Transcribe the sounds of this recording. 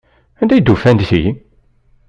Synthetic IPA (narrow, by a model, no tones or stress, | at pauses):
ænd̪æjd̪ufænd̪θij